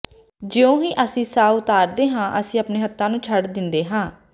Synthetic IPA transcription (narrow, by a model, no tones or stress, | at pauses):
d͡ʒɪːõːɦiːʔəsĩːsaːʊt̪aːɾd̪eːɦãːʔəsĩːəpneːɦət̪ʰːãːnũːt͡ʃʰəɽd̪ɪnd̪eːɦãː